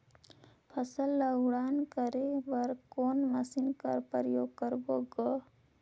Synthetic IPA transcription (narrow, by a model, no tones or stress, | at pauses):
pʰəsəlːəɽaːnkəɾeʋəɾkoːnməsinkəɾpəɾəjoːɡkəɾɡoɡə